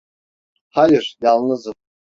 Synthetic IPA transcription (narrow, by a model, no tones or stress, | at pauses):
hajiɾ̥jalˠnɯzɯm